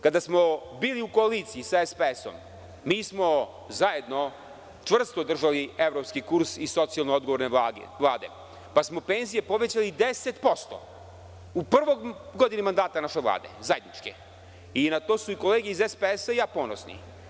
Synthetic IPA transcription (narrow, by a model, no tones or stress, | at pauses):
kad̪asmobiːliuko̞alit̪sijisaespeeso̰mː | iːsmo̞ | zaje̞d̪no̞ | t͡ʂʋr̩st̪od̪r̩ʒalie̞vɾopskikuɾsiso̞t̪sialˠnood̪ɡoʋoɾneʋlˠaːd̪e̞̰ | pasmo̞pe̞nzije̞po̞ʋe̞t͡ɕalid̪eset̪po̞st̪o̰ | upr̩ʋo̞ɡod̪inimand̪aːt̪anaʃeʋlˠa̰ːd̪e̞̰zaje̞d̪nit͡ʃkḛ | inat̪o̞ːsuiko̞leːɡeizespeesaijaːponosnḭ